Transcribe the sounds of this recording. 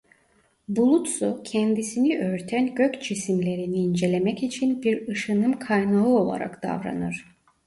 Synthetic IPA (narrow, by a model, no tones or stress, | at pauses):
bulˠut̪sucʰɛnd̪isiniʔøɾt̪ʰænɟøcd͡ʒisimlʲe̞ɾiniːnd͡ʒe̞lʲe̞mɛcit͡ʃʰinbiɾɯʃɯnɯmkʰajnaɯo̞lˠa̰ɾa̰kd̪̥a̰vɾa̰nɯɾ̥